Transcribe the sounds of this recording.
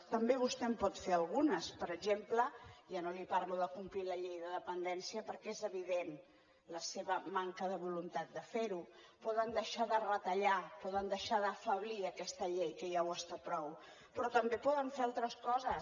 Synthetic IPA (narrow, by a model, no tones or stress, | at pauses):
t̪əmbeβ̞ust̪ɛmpɔt̪feəlˠɣunəspəɾəɡʒempləʒanolipaɾmolˠəkumpliləʎejðəðəpənd̪ɛnsiəpəɾkɛezəβiðen | ləseβəmaŋkəðəβulunt̪at̪̚d̪əfeɾu | pɔðənd̪əʃaðərət̪əʎapɔðənd̪əʃaðəfəβliəkɛst̪əʎejkəjawəst̪apɾɔw | pɾɔt̪əmbepɔðəɱfealˠt̪ɾəskɔzə